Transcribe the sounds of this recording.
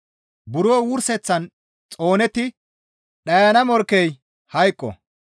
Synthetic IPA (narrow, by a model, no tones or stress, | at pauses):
bʊɾoːwʊɾsɛt͡sːɐn | t͡sʼo̞ːnɛt̪ːɪ | ɗɐjɐnɐmɔɾkːɛj | hɐjkʼːɔ̰